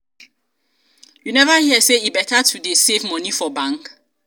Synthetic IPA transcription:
junɛvahiəseibɛtatʰudesevmɔ̃nifɔbãŋk

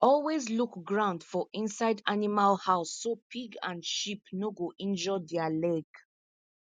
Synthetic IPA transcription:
ɔlwezlukɡɹãʊ̃ndfɔʔĩnsaɪdanimalhaʊsːopʰiɡã̰nʃipnoɡoʔĩnd͡ʒɔdɛalɛɡ

